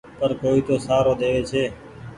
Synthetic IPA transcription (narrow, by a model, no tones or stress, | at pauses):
pəɾkoːiːt̪oːsaːɾoːd̪eːʋeːt͡ʃʰeː